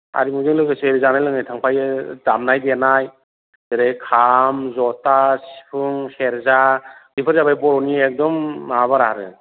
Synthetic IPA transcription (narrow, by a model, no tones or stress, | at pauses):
a̰ɾimuzɯŋlɯɡɯsɯeɾizanajlɯŋnajtʰaŋpʰajɯzamnajdeanaj | deɾejkʰamzɔtasi̥pʰɯŋheɾzadipʰɯɾzabajbɔɾɔniek̚dɔmːaβaɾaɾɯ̰